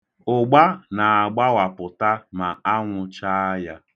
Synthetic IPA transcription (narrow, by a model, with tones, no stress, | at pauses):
ʊ˨ɡ͡ba˦na˨a˨ɡ͡ba˦wa˨pʊ˨ta˦ma˨a˦ŋʷʊ˨t͡ʃa˦a˦ja˦